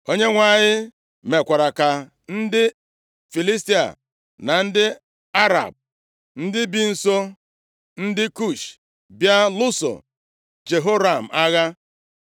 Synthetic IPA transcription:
o˦ɲe˦ŋʷa˨ɲɪ˦ | me˨kʷa˨ɾa˨ka˨ | n̩˦dɪ˦ | fi˨li˦s̬ti˦a̰˨ | na˨n̩˦dɪ˦ | a˦ɾa̰˨b̚ | n̩˦dɪ˦bi˦n̩˨so˦ | n̩˦dɪ˦ku˦˨ʃ | bja˦lʊ˦so̰˨ | d͡ʒe˨ɦo˦ɾa˨m̩˨a˦ɣa˦

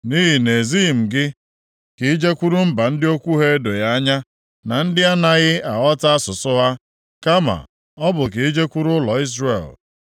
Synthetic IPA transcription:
ni˦ɦi˨ne˨zi˦˨m̩˨ɡɪ˦ | ki˦d͡ʒe˦kʷu˦ɾu˦m̩˦ba˨n̩˦dɪ˦o˦kʷu˦ɦe˦do˨ja˦a˦ɲa˦ | na˨n̩˦dɪ˦a˦na˨ɣɪ˦a˨ɣɔ˦ta˦a˦sʊ˨sʊ˦ɦa˦ | ka˦ma̰˨ | ɔ˦bʊ˨ki˨i˦d͡ʒe˦kʷu˦ɾʊ˦lɔ˨i˦zrḛ˨l

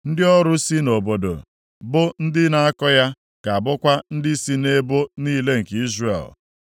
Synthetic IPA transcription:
n̩˦dɪ˦ɔ˦ɾʊ˦si˦no˨bo˨do̰˨ | bʊ˦n̩˦dɪ˦na˨a˦kɔ˦ja˦ | ka˨a˨bʊ˦kʷa˦n̩˦dɪ˦si˦ne˦bo˦niː˦le˦ŋ̩˨ki˦zrḛ˨l

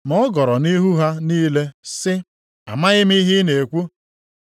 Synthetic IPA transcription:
mɔ˦ɡɔ˨ɾɔ˨ni˦ɦu˦ɦa˦niː˦le˦sɪ˦ | a̰˨ma˦ɣɪ˦mi˦ɦɪ˦ne˨kʷu˦

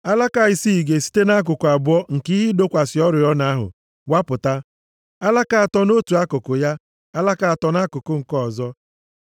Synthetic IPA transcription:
a˦la˦ka˨i˨si˦˨ɡe˨si̥˦te˦na˦k̬ʊ˨kʊ˨a˨bʊ˦ɔ˦ŋ̩˨ki˦ɦi˦do˦kʷa˨sɪ˨ɔ˦ɾʊ˨ɔ˦na˦ɦʊ̰˨ | wa˦pʊ˨ta˦ | a˦la˦ka˨a˨tɔ˦no˦tu˨a˦kʊ˨kʊ˨ja˦ | a˦la˦ka˨a˨tɔ˨na˦kʊ˨kʊ˦ŋ̩˨kɔ˦˨zɔ˦

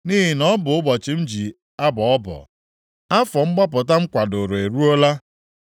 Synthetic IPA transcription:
ni˦ɦi˨nɔ˦bʊ˨ʊ˦bɔ˨t͡ʃɪ˨n̩˦d͡ʒi˨ | a˦bɔ˨ɔ˦bɔ̰˨ | a˦fɔ˨ŋ͡m̩˦ɡ͡ba˦p̬ʊ˨ta˦ŋ͡m̩˦kʷa˨dʊ˨ɾo˨e˨ɾu˦o˦la˦

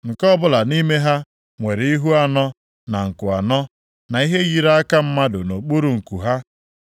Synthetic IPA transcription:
ŋ̩˨kɔ˦bʊ˦la˨ni˦me˦ɦa˦ | ŋʷe˨ɾi˦ɦu˦a˨nɔ˦ | na˨ŋ̩˨kʊ˨a˨nɔ˦ | na˨i˦ɦe˦ɣi˦ɾa˦a˦ka˦m̩˦ma˦dʊ˨no˨k͡pu˦ɾu˨ŋ̩˨ku˨ɦa˦

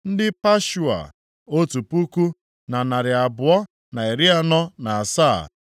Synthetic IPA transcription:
n̩˦dɪ˦pa˦ʃu˨a̰˨ | o˦tu˨pu˦ku˦ | na˨na˨ɾɪ˨a˨bʊ˨ɔ˦ | na˨e˨ɾi˦a˦nɔ˦na˨saː˦˨

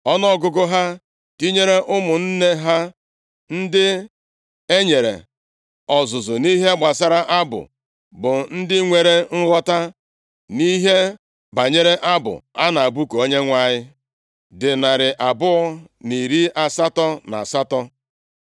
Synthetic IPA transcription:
ɔ˦nɔ˦ɡʊ˦ɡʊ˦ɦa˦ | ti˦ɲe˦ɾe˦ʔʊ˦mʊ˨n̩˦ne˦ɦa˦ | n̩˦dɪ˦ | e˦ɲe˨ɾḛ˨ | ɔ˨zʊ˨zʊ˨ni˦ɦe˦ɡ͡ba˨sa˦ɾa˦ʔa˦bʊ̰˨ | bʊ˨n̩˦dɪ˦ŋʷe˨ɾe˦ŋ̩˦ɣɔ˦ta˦ | ni˦ɦe˦ | ba˨ɲe˦ɾe˦ʔa˦bʊ̰˨a˦na˨a˨bu˦ko˦ɲe˦ŋʷa˦˨ɲɪ˦ | dɪ˨na˨ɾɪ˨ʔa˨bʊ˦ɔ˦ | ni˨ɾi˦ʔa˨sa˦tɔ˦na̰˨a˨sa˦tɔ˦

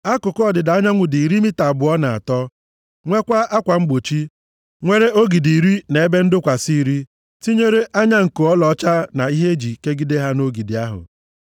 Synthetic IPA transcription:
a˦kʊ˨kɔ˨dɪ˨da˨˦ɲa˦ŋʷʊ˨di˨ɾi˦mi˦ta˨bʊ˨˦ɔ˦na˨a̰˨tɔ˦ | ŋʷe˦kʷa˦a˦kʷa˨ŋ͡m̩˦ɡ͡bo˨t͡ʃi˦ | ŋʷe˦ɾe˦o˦ɡi˨di˨ɾi˦ne˨e˦be˦n̩˦dʊ˦kʷa˨si˦˨ɾi˦ | ti˦ɲe˦ɾe˦ʔa˦ɲa˦ŋ̩˨ko˨ɔ˦lɔ˨ɔ˦t͡ʃa˦na˨i˦ɦe˦d͡ʒi˨ke˦ɡi˦de˦ɦa˦no˦ɡi˨dɪ˨a˦ɦʊ̰˨

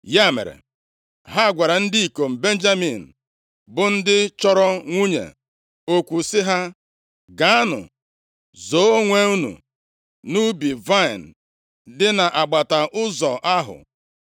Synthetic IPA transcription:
ja˦˨mḛ˨ɾḛ˨ | ɦa˦˨ɡʷa˨ɾa˨n̩˦dɪ˦i˨ko˨m̩˨be˦n̩˦d͡ʒa˦mi˨n̩˨ | bʊ˨n̩˦dɪ˦t͡ʃɔ˦ɾɔ˦ŋʷu˦ɲḛ˨ | o˨kʷu˨sɪ˦ɦa˦ | ɡa˨˦a˦nʊ̰˨ | zo˨˦o˦ŋʷe˦u˦nṵ˨ | nu˦bi˨va˦ɪ˨n̩˨ | dɪ˦na˨ʔa˨ɡ͡ba˨ta˨ʔʊ˦zɔ˨ʔa˦ɦʊ̰˨

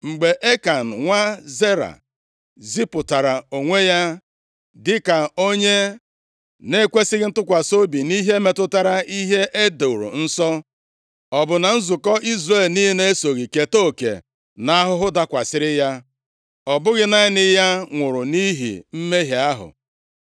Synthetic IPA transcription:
ŋ͡m̩˨ɡ͡be˨ʔe˦ka˨n̩˨ŋʷa˦ze˦ɾa̰˨ | zi˦pʊ˨ta˨ɾa˨o˨ŋʷe˦ja˦ | dɪ˦ka˨o˦ɲe˦ | ne˦kʷe˦sɪ˦ɣɪ˦n̩˦tʊ˦kʷa˨so˦bi˨ni˦ɦe˦me˦tʊ˦ta˦ɾa˦i˦ɦe˦ʔe˦do˨ɾṵ˨n̩˦sɔ˦ | ɔ˨bʊ˨na˨n̩˦zʊ˨kɔ˦i˦zre˦˨lni˦ɦi˦ne˦e˦so˨ɣi˨ke˨to˦˨kḛ˨ | na˦ɦʊ˦ɦʊ˦da˦kʷa˨sɪ˦ɾɪ˦ja˦ | ɔ˨bʊ˦ɣɪ˦na˦ɪ˦nɪ˦ja˦ŋʷʊ˨ɾʊ˨ni˦ɦḭ˨m̩˦me˦ɦi˨a˦ɦʊ̰˨

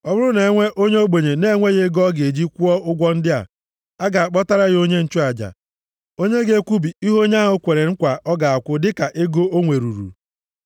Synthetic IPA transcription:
ɔ˦bʊ˦ɾʊ˦ne˨e˦ŋʷe˦ʔo˦ɲe˦o˦ɡ͡bo˨ɲe˨ne˦e˦ŋʷe˦ɣe˦ɡɔ˦ɡe˨d͡ʒi˦kʷu˦ɔ˦ʊ˦ɡʷɔ˦n̩˦dɪ˦a̰˨ | a˦ɡa˨a˨k͡pɔ˦ta˦ɾa˦ɣɪ˨˦o˦ɲe˦n̩˦t͡ʃu˦a˨d͡ʒa̰˨ | o˦ɲe˦ɡe˦kʷu˦bi˨i˦ɦo˦ɲ˦a˦ɦʊ˦kʷe˨ɾe˨ŋ̩˦kʷa˨ʔɔ˦ɡa˨a˨kʷʊ˦dɪ˦ka˨ʔe˦ɡo˦o˦ŋʷe˨ɾṵ˨ɾṵ˨

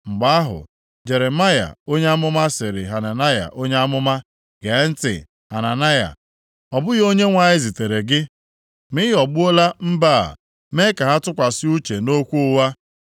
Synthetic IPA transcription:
ŋ͡m̩˨ɡ͡ba˦a˦ɦʊ̰˨ | d͡ʒe˨ɾe˨ma˦ja̰˨o˦ɲe˦a˦mʊ˦ma˦sɪ˨ɾɪ˨ɦa˨na˨na˦ja̰˨ʔo˦ɲe˦a˦mʊ˦ma˦ | ɡe˨˦n̩˦tɪ̰˨ | ha˨na˨na˦ja̰˨ | ɔ˨bʊ˦jo˦ɲe˦ŋʷa˨ɲɪ˦zi˨te˨ɾe˨ɡɪ˦ | mɪ˦ɦɔ˨ɡ͡bʊ˦o˦la˦m̩˦ba˦˨a̰˨ | me˦ka˨ɦa˦tʊ˦kʷa˨sɪ˦u˦t͡ʃe˨no˦kʷu˦ʊ˦wa˦

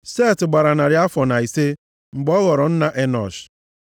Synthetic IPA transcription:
se˦˨tɡ͡ba˨ɾa˨na˨ɾɪ˦a˦fɔ˨na˨i˨se˦ | ŋ͡m̩˨ɡ͡bɔ˦ɣɔ˨ɾɔ˨n̩˦na˨ʔe˦nɔ̰˨ʃ

